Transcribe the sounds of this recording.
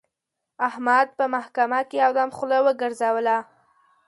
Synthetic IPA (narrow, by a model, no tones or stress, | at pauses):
ahmad̪̚pəmahkamakeawd̪amχʊlawəɡəɾzawəla